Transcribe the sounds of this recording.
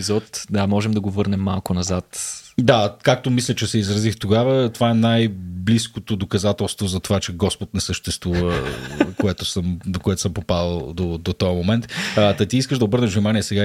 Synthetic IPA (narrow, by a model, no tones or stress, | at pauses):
izɔt̪d̪amɔʒɛmd̪ɐɡovɤɾnɛmːalˠkʊnɐzat̪d̪akak̚t̪omislʲət͡ʃɛsɛizɾɐzixt̪oɡavət̪ovaɛnajbliskot̪od̪okɐzat̪ɛlˠst̪vozɐt̪ovat͡ʃɛɡɔspot̪nɛsəʃt̪ɛst̪vuvəkoɛt̪ʊsəmd̪okoɛt̪o̥səmpopaəlˠd̪od̪ot̪ɔjəmomɛnt̪ːt̪ɐt̪iiskəʒd̪ɐobɤɾnəʒvnʲimaniɛsɛɡa